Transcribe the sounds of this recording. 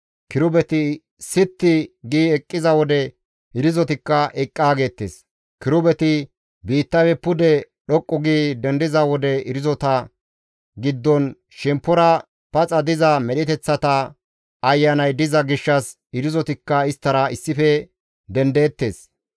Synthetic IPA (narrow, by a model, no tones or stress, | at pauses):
kɪɾʊbɛt̪ɪ | sɪt̪ːɪɡiːɛkʼːɪzɐwɔd̪ɛ | ɪɾɪzɔt̪ɪkːɐʔɛkʼːaːɡe̞ːt̪ːḛːs | kɪɾʊbɛt̪ɪ | biːt̪ːɐfɛpʊd̪ɛ | ɗɔkʼːɔɡiːd̪ɛnd̪ɪzɐwɔd̪ɛɪɾɪzɔt̪ɐ | ɡɪd̪ːɔn | ʃɛmpːɔɾɐ | pɐt͡sʼɐd̪ɪzɐmɛɗɪt̪ɛt͡sːɐt̪ɐ | ɐjːɐnɐjd̪ɪzɐɡɪʃːɐs | ɪɾɪzɔt̪ɪkːɐɪst̪ːɐɾɐɪsːɪfɛ | d̪ɛnd̪e̞ːt̪ːe̞ːs